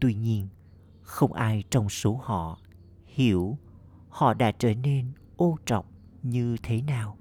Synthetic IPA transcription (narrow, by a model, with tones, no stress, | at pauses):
t̪wi˧ɲi˧ən | xə˧wŋ͡mʔaː˧jt͡ɕɔ˧wŋ͡mso˨˦hɔ̰˧˨ | hi˧˩əw | hɔ̰˧˨ɗa̰ː˧˥t͡ɕəː˧˩ne˧n | ʔo˧t͡ɕɔ̰˨˩˨wŋ͡m | ɲɨ˧t̪ʰe˨˦naː˨˩w